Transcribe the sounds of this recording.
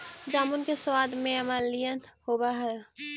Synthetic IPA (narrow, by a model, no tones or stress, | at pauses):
d͡ʒaːmunkeswaːd̪mẽmalijənhoːbaɦɛ